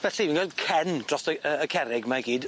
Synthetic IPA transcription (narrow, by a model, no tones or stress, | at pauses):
v̥ɛɬiminɡalˠd̥̚kʰɛnd̥rɔsəəːkʰɛɾɪɡmaɡiːd